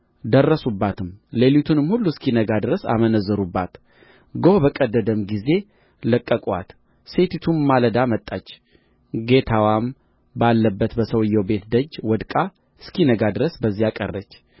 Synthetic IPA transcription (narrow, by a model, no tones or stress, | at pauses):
d̪ərːəsubːat̪ʰɨmlelut̪ʰunɨmhulːuskʰinəɡad̪ɨɾəsa̰mənəzːəɾubːat̪ | ɡobəkʼəd̪ːəd̪əmɡize̞ | ləkʼːəkʼa̰t̪ | se̞t̪ʰit̪ʰumːaləd̪amət̪ʼːat͡ʃː | ɡe̞t̪ʰawam | balːəbːət̪bəsəwɨjːɛwbe̞t̪d̪əd͡ʒːwɔd̪kʼa | skʰinəɡad̪ɨɾəsbəzːijakʼə̰rːət͡ʃː